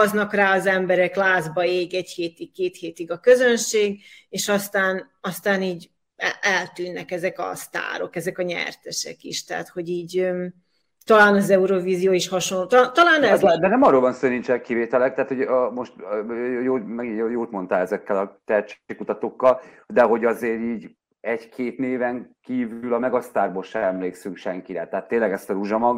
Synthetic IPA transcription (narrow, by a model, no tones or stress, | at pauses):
ɒznɒkraːɒzɛmbɛɾɛklaːzbɒeːɡɛɟheːt̪iɡkeːt̪heːt̪iɡɒkø̞zønʃeːɡeːʃɒst̪aːn | ɒst̪aːniːɟ | ɛʔɛlt̪yːnːɛkɛzɛkɒ̰st̪a̰ːɾo̞̰kɛzɛkɒɲɛ̰rt̪ɛʃɛ̰kḭʃt̪ɛɦa̰t̪ho̞ɟiːɟø | t̪ɒlaːnɒzɛuɾoviːzijoːiʃhɒʃonloːt̪ːt̪ɒlaːnd̪ɛd̪ɛnɛmɒrːoːlbɒnsoːniɲt͡ʃɛkːiveːt̪ɛlɛk̚t̪aɦat̪homo̞ʃt̪joːmɛɡijoːt̪mo̞nt̪aːlɛzɛkːɛlɒt̪ɛt̪t͡ʃeːkut̪ɒt̪okːɒld̪ɛɦo̞ɟɒzeːɾiːɟ | ɛɟkʰeːt̪neːvɛŋkiːvylɒmɛɡɒst̪aːrboːlʃɛɛmleːksyŋkʃɛŋkiɾɛt̪ɛɦat̪ːeːnlɛɡɛst̪ɒɾuʒɒmɒɡ